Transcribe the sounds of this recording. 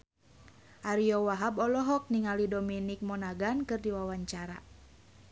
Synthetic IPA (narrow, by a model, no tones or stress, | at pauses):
ʔaɾiɔwaɦabɔlɔɦɔk̚niŋalidɔminik̚mɔnaɡankɨrdiwawaɲt͡ʃaɾa̰